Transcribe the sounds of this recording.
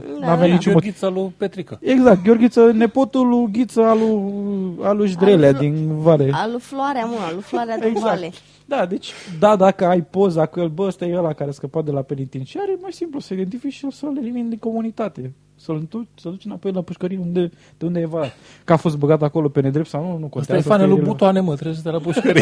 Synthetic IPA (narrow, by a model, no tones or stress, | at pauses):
naveanit͡ʃummoɡit̪salupet̪ɾikaeɡzak̚t̪̚ɡʲeo̞rɡʲit̪səne̞po̞t̪uluɡʲit̪səalu | aluʃd̪ɾelad̪invalealufloaɾeamunalufloaɾeaeɡzakle | d̪ad̪e̞t͡ʃʲd̪ad̪akəajpo̞zakujelbəəst̪ajeəlakaɾeaskəpat̪̚d̪e̞lapenit̪inʃiaɾemajsimplusəid̪e̞nt̪ifiʃijelsəlelimind̪iŋko̞munit̪at̪e̞ | səlt̪usəld̪ut͡ʃemapo̞jlapuʃkəɾijeund̪e | d̪̥eund̪eajvalat̪ | kafo̞s̬t̪̚bəɡat̪ako̞lo̞pe̞ned̪ɾep̚t̪sawnunukont̪aefanelubut̪oanemət̪ɾeut̪elapuʃkəɾi